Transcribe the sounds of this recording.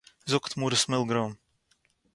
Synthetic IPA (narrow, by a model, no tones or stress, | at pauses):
zɔkt̪muɾɨsmɪlˠɡɾɔːm